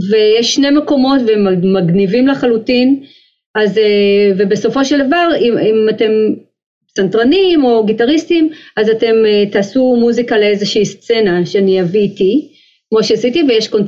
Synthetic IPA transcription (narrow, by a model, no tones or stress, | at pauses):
ve̞jeʃːne̞meko̞mo̞tveemmːaɡnivimleχalutin | azeve̞be̞so̞fo̞ʃeldavaʁiimate̞m | santʁanimo̞ɡitaʁistimʔazate̞metaːsumuzikaleezeʃiːst͡se̞naʃeaniaviti | kmo̞ʃeasitivejeʃko̞n